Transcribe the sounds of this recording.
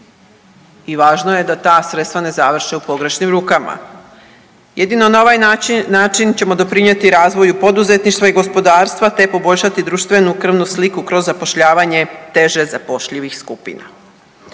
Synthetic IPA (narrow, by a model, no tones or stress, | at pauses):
iʋaːʒnoje̞d̪at̪aːsɾet̪st̪ʋane̞zaʋr̩ʃeupo̞ɡɾe̞ʃnimɾuːkama̰ | jed̪inonaoʋajnaːt͡ʃint͡ɕe̞mo̞d̪o̞pɾiɲe̞t̪iɾaːzʋo̞jupo̞d̪uze̞t̪niʃt̪ʋaiɡo̞spo̞d̪aːɾst̪ʋat̪e̞po̞bo̞ʎʃat̪id̪ɾuːʃt̪ʋe̞nukr̩ʋnuslikukɾo̞zːapo̞ʃʎaːʋaɲe̞t̪e̞ʒezapo̞ʃʎiʋixskupḭna̰